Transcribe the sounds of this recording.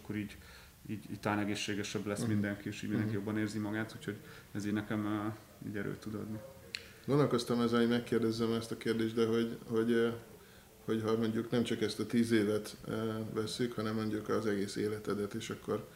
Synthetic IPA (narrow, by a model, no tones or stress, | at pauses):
kːoɾiːɟ | iːɟiːɟ̚t̪ɒlaːnɛɡeːʃːeːɡɛʃɛblɛsmind̪ɛŋkieːʃiːɟminɛkijo̞bːɒneːrzimɒɡaːt̪uːcho̞ɟ | ɛziːnɛkɛm | ḭːɟɛɾø̰ːt̪ud̪ɒ̰d̪ni | ɡo̞nd̪olko̞st̪ɒmɛzɛɦomɛkːeːrd̪ɛzːɛmɛst̪ɒkeːrd̪eːʒd̪ɛɦo̞ɟho̞ɟ | ho̞cɦɒmo̞ɲɟuknɛmt͡ʃɒkɛst̪ɒt̪iːzeːvɛt̪vɛsːykhɒnɛmːo̞ɲɟukɒzɛɡeːsḛːlɛt̪ɛd̪ɛt̪eːʃɒkːo̞r